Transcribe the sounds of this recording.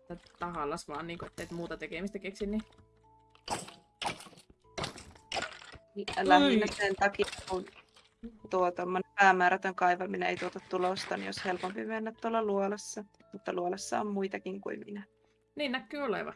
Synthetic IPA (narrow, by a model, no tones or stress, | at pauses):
t̪ːæt̪ɑhɑlːˑɑsʋɑːnniːŋkoet̪ːeit̪muːt̪ɑt̪ekeˑmist̪ækeksinni | ilɑhinɑsent̪ɑkikun | t̪uot̪omːonempæːmæːɾæt̪øŋkɑiʋɑminḛit̪uot̪ɑtt̪ulost̪ɑnḭoshelpompimenːæt̪t̪uolːɑluolɑsːɑ | mut̪ːɑluolɑsːɑ̰ommuit̪ɑkiŋkuimminæ | niːnnækːyːolḛˑʋɑ̰